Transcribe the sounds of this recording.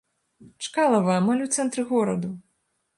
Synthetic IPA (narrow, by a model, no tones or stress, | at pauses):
t͡ʂkalˠɐvɐɐmalʲuwt̪sɛnt̪ɾɨɣɔɾɐd̪u